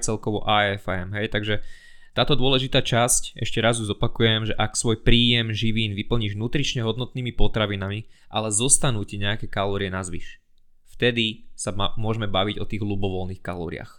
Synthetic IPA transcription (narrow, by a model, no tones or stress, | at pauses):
t͡sɛlkɔʋɔ̰ʔaːɛfɛmɦɛjt̪aɡʒɛ | t̪aːt̪ɔd̪ʊɔlɛʒit̪aːt͡ʃascʔɛ̰ʃcɛɾazjuzɔpakujɛmʒɛʔaksʋɔjpɾiːjɛmʒiʋiːnʋipl̩ɲiːʒnuːt̪ɾit͡ʃɲɛɦɔd̪nɔt̪niːmipɔt̪ɾaʋinamiʔalɛzɔst̪anuːcɛɲɛakɛːkalɔːɾɪɛnazʋḭʃ | ft̪ɛd̪isamʊɔʒmɛbaʋiɟɔt̪iːɣɦlubɔʋɔlniːxkalɔ̰ːɾɪ̰a̰x